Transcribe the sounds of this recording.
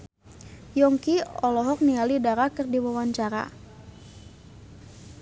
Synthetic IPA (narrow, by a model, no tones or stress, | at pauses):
jɔŋkiɔlɔɦɔk̚nialidaɾakɨrdiwawaɲt͡ʃaɾa̰